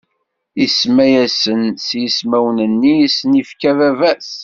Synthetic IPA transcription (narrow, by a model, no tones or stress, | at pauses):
ismæjæsənsjismæwnənːisənifkævævæs